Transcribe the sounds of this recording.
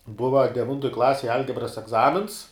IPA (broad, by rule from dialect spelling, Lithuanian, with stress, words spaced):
ˈbʊʋɐ dʲɛˈʋʲɪntoːj ˈklˠɑːsʲeːj ˈɐlʲɡʲɛbrɐs ɛɡˈzɑːmʲɪns